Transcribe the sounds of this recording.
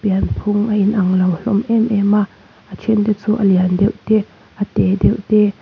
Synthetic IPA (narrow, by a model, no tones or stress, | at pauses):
piɐnpʰʊŋʔɐʔinʔɐŋlɐwɬɔmʔɛmʔɛmaʔ | ʔət͡ʃʰɛnt̪ɛt͡suːʔɐliandɛwʔt̪ɛ | ʔɐt̪ɛdɛwt̪ɛ